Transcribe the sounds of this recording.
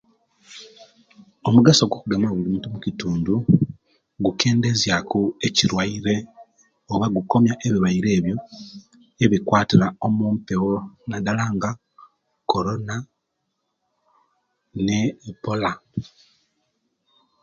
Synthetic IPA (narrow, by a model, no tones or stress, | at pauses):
o̞muɡaso̞ɡwo̞kuɡamoβulimuntumucituːndu | ɡuke̞ːnde̞zjakue̞ciɾwaiɾe̞ | oβaɡuko̞mjaʔeβiβaiɾe̞ːβjo̞ | e̞βikwaːtiɾao̞muːmpewonadalaːŋɡa | ko̞ɾo̞na | nepola